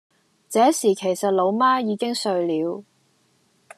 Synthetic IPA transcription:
t͡sɛː˨˥siː˨˩kʰe˨˩jsɐ˨t̚lo˨˧˥wmaː˥jiː˨˧kɪ˥ŋsɵ˧ɥliː˨˥w

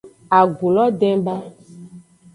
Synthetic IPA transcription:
a˨ɡu˨lɔ˦ɖɛ˦ba˦

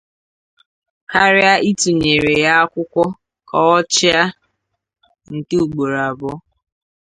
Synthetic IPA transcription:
ka˦ɾɪ˦a˦ʔi˦tu˨ɲe˨ɾe˨ja˦a˦kʷʊ˦kʷɔ˦ | kɔ˨ɔ˦t͡ʃɪ˦a˦ | ŋ̩˨ke˦u˨ɡ͡bo˨ɾa˨bɔ˦

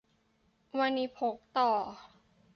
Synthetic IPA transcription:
wa˧nːi˧pʰo˨˦k̚t̪ɔː˨˩

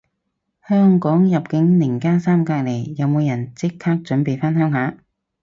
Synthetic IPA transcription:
hœː˥ŋkɔː˨˥ŋjɐ˨p̚kɪ˨˥ŋnɪ˨˩ŋkaː˥nsaː˥mkaː˧k̚le˨˩jjɐ˨˧wmo˨˧wjɐ˨˩nt͡sɪ˥kʰhaː˥k̚t͡ʃɵ˨˥npe˨jfɐ˥nɦœː˥ŋɦaː˨˥

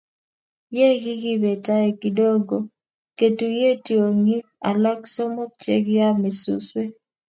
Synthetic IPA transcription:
je˦ɡi˦ɡi˦be˨ta˦e˦˨ki˨do˦ɡo˨ | ke˨tu˨je˦ti˨o˨ŋi˦a˨la˦kso˦mo˦k̚t͡ʃḛ˦ɡɪ˦ja˦me˨sṵ˦swe˦

